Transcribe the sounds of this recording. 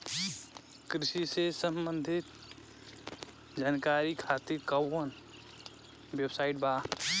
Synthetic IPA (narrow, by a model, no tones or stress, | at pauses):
kɾɪʃisesəmbə̃nd̪ʱɪt̪ | d͡ʒaːnkaːɾikʰaːt̪ɪɾkɐən | websaːɪʈ̚baː